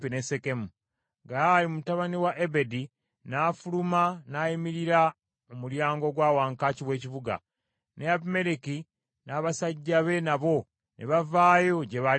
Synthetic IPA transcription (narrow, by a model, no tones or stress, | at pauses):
pinesekemu | ɡalimmutaβaniwaʔebe̞di | naːfulumanaːjimiɾiɾa | omuljaːŋɡo̞ɡwaːwaːŋkaːciβwe̞ːciβuɡa̰ | neapme̞ɾiki | naːβasaɟːaβe̞naβo̞ | nʔeβavaːjo̞ɟe̞βa